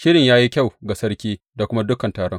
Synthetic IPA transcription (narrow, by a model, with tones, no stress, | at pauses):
ʃɪ˦ɽɪ˨ɲjaː˦ji˦kʲa˦˨wɡa˨sɐ˦rkʲiː˦ | da˨kʷʊ˦ma˦dʊ˦kɐ˨ntaː˨ɽɔ˦ŋ